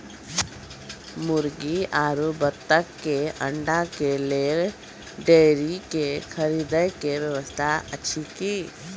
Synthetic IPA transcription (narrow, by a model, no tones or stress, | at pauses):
mʊɾɡiaːɾubət̪ːəkːeə̃ɳɖakeleɾ | ɖeɾikekʰəɾiːd̪əjkeʋjəʋəst̪ʰaətːʃʰikiː